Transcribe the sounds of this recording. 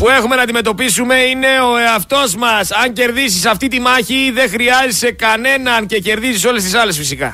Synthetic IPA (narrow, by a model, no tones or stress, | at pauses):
pue̞xume̞nɐːnd̪ime̞t̪o̞pisume̞ine̞o̞eɐft̪o̞zmɐsɐɲce̞ɾðisisɐft̪it̪imɐçiðe̞xɾiɐzese̞kɐne̞nɐnce̞ce̞ɾðisiso̞le̞st̪isɐle̞sfisikɐ̰